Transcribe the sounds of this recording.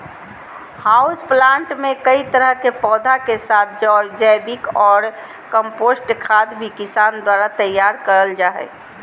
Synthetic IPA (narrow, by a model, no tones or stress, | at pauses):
haʊsplãːɳʈmẽkəit̪əɾəɦkepɔːd̪ʱakesaːt̪̚ʰd͡ʒɔːld͡ʒəjbɪkɔːɾ | kə̃mpoːsʈkʰaːd̪bʱikisand̪waːɾat̪əjːaːɾkəɾəld͡ʒaːɦɛ̰